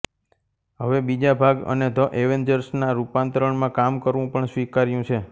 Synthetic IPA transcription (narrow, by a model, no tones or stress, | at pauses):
ɦəʋebid͡ʒabʱaɡə̰ned̪ʱəʔeʋend͡ʒəɾsnaɾupãnt̪ɾəɳmãkamkəɾʋũpəɳsʋikaɾjũt͡ʃʰe